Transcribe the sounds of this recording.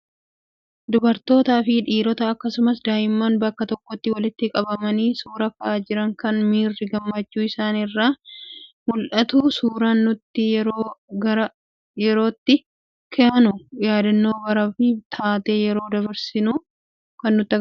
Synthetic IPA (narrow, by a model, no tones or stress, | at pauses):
d̪ʊbɐɾt̪o̞ːt̪aːfɪᶑiːɾɔt̪ɐːkːɐsʊmɐsd̪aːjɪmːaːnbɐkːɐt̪ɔkːɔt̪ːɪwɐlɪt̪ːɪkʼɐbɐmɐniːsuːɾɐkɐʔaːd͡ʒɪɾɐŋkɐnmiːrːɪɡɐmːɐt͡ʃːuːɪsaːnɪrːaː | mʊlʔɐt̪uːsuːɾanːʊt̪ːɪjɛɾoːɡɐɾɐ | jɛɾo̞ːt̪ːɪ | kʰeɐnʊjaːd̪ɐnːo̞ːbɐɾɐfɪt̪ʰaːt̪e̞ːjɛɾo̞ːd̪ɐβɐɾsɪnuː | kɐnːʊt̪ːɐ